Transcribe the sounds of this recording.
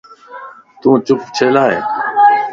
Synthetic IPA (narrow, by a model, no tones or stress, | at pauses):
t̪ũːt͡ʃʊpʰt͡ʃʰeːlaːɦeː